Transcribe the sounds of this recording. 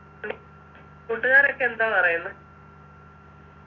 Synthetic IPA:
kuʈːunaːɾokːeend̪aːpɐrɐjunːɐ

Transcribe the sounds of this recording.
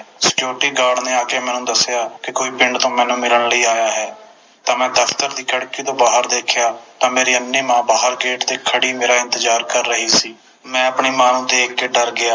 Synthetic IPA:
sə̥kjoːʈiːɡaːɽnẽːaːkeːmɛ̃ːnũːd̪əsɪjaːkɪkoːiːpɪɳɖt̪õːmɛ̃ːnũːmɪləɳləiːaːjaːɦɛː | t̪ãːmɛ̃ːd̪əfʰt̪əɾd̪iːkʰəɽkiːt̪õːbaːɦəɾd̪eːkʰjaːt̪ãːmeːɾiːənːeːmãːbaːɦəɾɡeːʈd̪eːkʰəɽiːmeːɾaːɪ̃nt̪əd͡ʒaːɾkəɾːəɦiːsiː | mɛ̃ːəpɳiːmaːnũːt̪eːɪk̚ɡeːɖəɾɡɪaː

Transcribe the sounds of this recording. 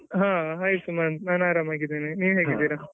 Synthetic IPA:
ɦãːɦaːjsumɐnnaːnaːɾamaːɡid̪eːniniːʋɦeːɡid̪iːɾa

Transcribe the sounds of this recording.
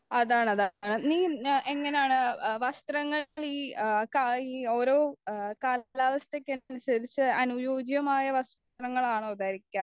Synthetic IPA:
ɐðaːɳɐðaɳɨniːe̞ŋːɐnejaːɳɨʋɐst̪rɐŋːɐɭiːkaiːo̞ːɾo̞ːkaːllaːʋɐst̪ekʲːennusɐðit͡ɕːɨɐnujo̞ːd͡ʑjɐmaːjɐʋɐst̪ | rɐŋːɐɭaːɳud̪aːɾikʲːaːm

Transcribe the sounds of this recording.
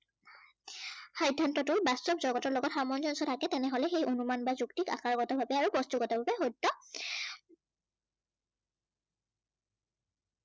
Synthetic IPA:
xajdʱːantɔtʊbastɔbzɔɡɔtɔɹlɔɡɔtxamɔnzɔnsɔtʰakɛtɛnɛɦolɛxejʔonumanbazuktika̰kaɹɡɔtɔbʱabɛaɹuɡɔstuɡɔtabʱabɛɦojtːɔ

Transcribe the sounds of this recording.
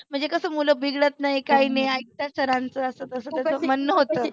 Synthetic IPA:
m̤əɳd͡zekəsəːmuləbʱiɡɭət̪naɦikajnejait̪jasəɾãnt͡səəsət̪əsəːt̪jat͡səmənːəɦot̪əː

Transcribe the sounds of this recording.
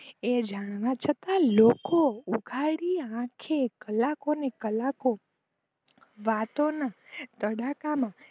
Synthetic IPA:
ed͡ʒaɽ̃ʋãt͡ʃʰət̪alokouɡʱaɽiãkʰekəlakonekəlako | ʋat̪onat̪əɽakamã

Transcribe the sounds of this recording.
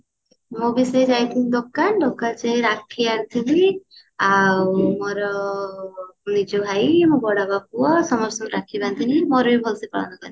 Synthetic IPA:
mobised͡ʒajt̪ʰinid̪okːanɖ̪okːat͡ʃejɾakʰːiaɾt̪ʰili | awmoɾɔ | nid͡ʒɔbʱajimobɔɽabapuɔsɔmɔɾsɔmɾakʰibant̪ʰinimɔɾujbʱɔlsipɔ̰ɭɔ̰nɔkɔni

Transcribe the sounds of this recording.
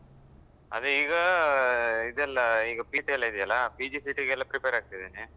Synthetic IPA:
ɐ̰ðɯɪɣɐ | ɪðɛlːɐɪŋɡɐpiʈːiɛlːɐɪðɪjɐlaːpid͡ʒisiʈːikɛlːɐpɪɾɪpeːɾaːkɯʈɐðɯnɯ

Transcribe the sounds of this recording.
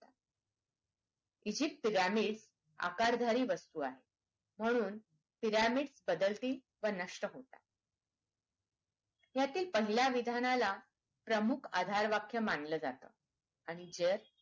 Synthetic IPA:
t̪ḁ | id͡ʑip̚piɾamiɽs | a̰kaɾd̪ʱaɾiːʋəst̪uːaɦe | m̤əɽ̃uːn | piɾamiɽsbəd̪əlt̪iː | ʋənəʂʈəɦot̪ḁ̰ | jat̪iːlpəɦiljaʋid̪ʱanala | pɾəmukʰa̰d̪ʱaɾʋakʰjəmanləːd͡zat̪ə̰ | aɽ̃id͡ʑeɾ

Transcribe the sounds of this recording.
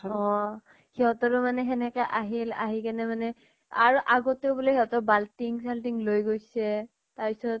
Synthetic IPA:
ɔ | hiɔtɔɹumanɛɦɛnɛkaʔaɦila̰ɦikanɛmanɛ | a̰ɹuʔaɡɔteʊbulehiɔtɔbaltiŋsaltiŋlojɡojsɛ | taɹpisɔt̚

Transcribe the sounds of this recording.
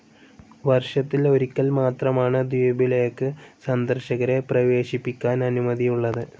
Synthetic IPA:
ʋɐrʂɐt̪ːilo̞ɾikʲːɐlmaːt̪rɐmaːɳɨd̪ijbilɐjɐkːɨsɐnd̪ɐrɕɐɣɐɾe̞prɐʋe̞ːɕipːikʲːaːnɐnumɐðijuɭːɐðɨ

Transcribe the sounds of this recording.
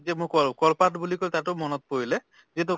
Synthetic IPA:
zɛmʊkɔkɔlpatbulikojt̪atʊmɔnɔt̪̚poɹilɛ | zit̬u

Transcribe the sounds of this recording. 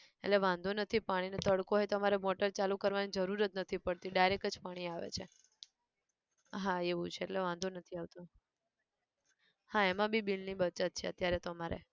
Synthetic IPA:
ḛʈleʋãnd̪ʱonət̪ʰipaɽ̃inet̪əɽkoɦet̪əmaɾemoʈəɾt͡ʃalukəɾʋanid͡ʒəɾuɾət̪̚nət̪ʰipəɽt̪iɖajɾekəd͡ʒpaɽ̃iaʋḛt͡ʃʰe | ɦaeʋũt͡ʃʰeeʈleʋãnd̪ʱonət̪ʰiaʋt̪o | haemãbibilnibət͡ʃat̪̚t͡ʃʰeə̰t̪jaɾet̪omaɾḛ

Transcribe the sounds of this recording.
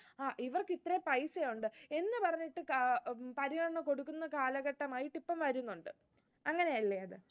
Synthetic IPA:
aːʔiʋɐrkit̪ːrɐpɐjsejuɳɖɨe̞nːɨpɐrɐɲːiʈːɨkpɐɾiɣɐɳɐɳɐko̞ɽukːunːɐkaːlɐɣɐʈːɐmaːjiʈːipːɐmʋɐɾunːuɳɖɨ | ɐŋːɐne̞ɐlːeɐðɨ

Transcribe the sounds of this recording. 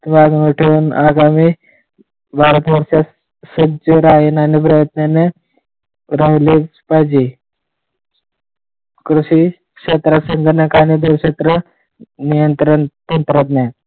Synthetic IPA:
baɡnuʈʰeʋunaɡami | bʱaɾət̪ʋəɾʂa | səd͡ʑəɾajinanipɾəjət̪nane | ɾaɦlipad͡ʑi | kɾuɕi | kɕet̪ɾasəŋɡəɾnakanid̪uɾɕet̪ɾə | nijənt̪ɾənt̪ənt̪ɾət̪na

